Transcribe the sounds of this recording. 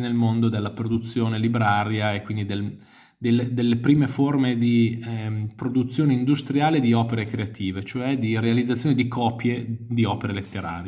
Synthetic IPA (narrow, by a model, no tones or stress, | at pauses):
nelmond̪od̪elːapɾod̪ut̪sːjoːnelibɾaːɾjaekːwind̪id̪el | d̪elːed̪elːepɾiːmeformed̪i | pɾod̪ut̪sːjoːneind̪ust̪ɾjaːled̪iɔːpeɾekɾeat̪ʰiːvet͡ʃoɛd̪iɾealid̪zːat̪sjoːnid̪ikʰɔːpjed̪iɔːpeɾelet̪ːeɾa̰ːɾj